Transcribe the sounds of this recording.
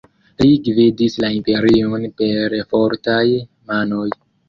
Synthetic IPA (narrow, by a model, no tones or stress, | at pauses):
liɡvidislaimpe̞ɾionpe̞ɾfoɾtaj | mano̞j